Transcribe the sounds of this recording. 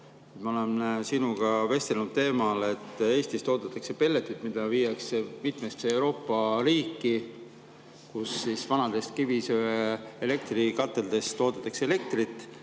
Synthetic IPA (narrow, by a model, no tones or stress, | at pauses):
et̪mɑo̞le̞nsinuɡ̥ɑve̞st̪elnud̪̥t̪e̞ːmɑle̞t̪ːˑe̞ːst̪ist̪o̞ːt̪ɑt̪ːˑɑkse̞pe̞lːe̞t̪ˑːyt̪ˑmid̪̥ɑvijɑksemit̪mest̪seewɾo̞ːpːˑɑɾiːkːˑi | kusːisvɑnɑd̪̥e̞st̪kivisøeele̞k̚t̪rikɑt̪ːˑe̞ld̪̥e̞st̪o̞ːt̪ɑt̪ːˑɑkseele̞k̚t̪rit̪ːˑ